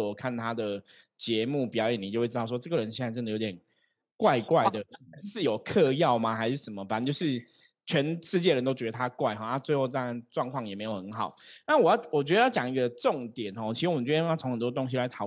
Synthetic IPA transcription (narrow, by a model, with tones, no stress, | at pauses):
ɔ˨˩kʰa˥˩nt̪ʰa˥d̪ə˨ | t͡ɕjɛ˧˦mu˥˩pi˨˩jɑ˨˥ʊjɛ˨˩ni˨t͡ɕjo˥˧xwe˥˧˥t̪ʂɔ˥ʈ͡ʂɤ˥˩ɡə˩ɻə˧˦nɕɛ˥˧na˥˧ʈ͡ʂə˥nd̪ə˩jo˧˥jʲɛ˨˩n | kwa˥˧ɪkwa˥˩ɪ˩d̪ə˩ʂɻ̩˥˩jo˨˩ʊkʰɤ˥˧jɑ˥˩ʊma˨xa˧˥ɪʂɻ̩˥˩ʂə˨˩mə˩fa˨˦n˥˨˩t͡ɕo˥˧ʊʂɻ̩˥˩ | t͡ɕʰɥɛ˧˥nʂɻ̩˥˧t͡ɕjɛ˥˩ɻə˧˦nt̪o˥t͡ɕɥɛ˧d̪ə˧˩a˦˥kwa˥˩ɪxɔ˨˦na˥˧t͡swe˥˧ɪxo˥˧t̪a˥˩a˥nʈ͡ʂwɑ˥˧ŋkʰwɑ˥˨˩ŋjɛ˨˩me˧˥ɪjo˨˩ʊxə˧˦nxɑ˨˩˦ʊna˥˩wɔ˨˩jɑ˥˩wɔ˨˩t͡ɕɥɛ˧˥d̪ə˧˦jɑ˥˩t͡ɕjɑ˨˩ŋi˧˦ɡə˧ʈ͡ʂʊ˥˨ŋt̪jɛ˨˩nxɔ˥˧˩t͡ɕʰi˧˥ʂɻ̩˧wmə˨t͡ɕʰŋxə˨˩nt̪wɔ˥t̪o˥ŋɕ̬i˧la˧˦ɪt̪ʰɑ˨˩˦